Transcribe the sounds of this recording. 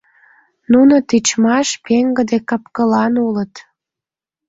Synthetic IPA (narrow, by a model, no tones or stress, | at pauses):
nunət̪it͡ɕmɑʃpeŋɡə̆d̪ekɑpkəlɑnulət̪